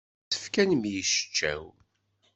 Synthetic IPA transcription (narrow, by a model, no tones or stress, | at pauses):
ə̥fkænmjəʃə̥t͡ʃːæ̰w